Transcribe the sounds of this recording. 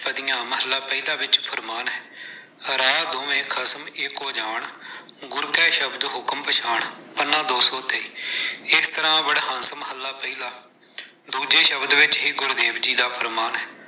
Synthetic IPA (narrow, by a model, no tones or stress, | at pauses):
pəd̪ɪjãːməɦəlːaːpəiːlaːʋɪt͡ʃpʰəɾmaːnɦɛː | ɾaːd̪ʊmẽːkʰəsmɪkoːd͡ʒaːɳ | ɡʊɾkɛːʃəbd̪ɦʊkmpəʃʰaːɳpəɾnãːd̪oːsoːt̪eːiːɪst̪əɾãːbəɽɦə̃nsməɦəlːaːpəiːlaː | d̪uːd͡ʒeːʃəbd̪ʋɪt͡ʃɦiːɡʊɾd̪eːʋd͡ʒiːd̪aːpʰəɾmaːnɦɛː